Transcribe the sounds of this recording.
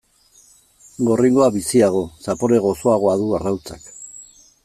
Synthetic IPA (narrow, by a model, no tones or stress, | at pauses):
ɡo̞riŋɡo̞aβisiaɣ̞o̞sapo̞ɾe̞ɣ̞o̞so̞aɣ̞o̞aðuarawt͡sak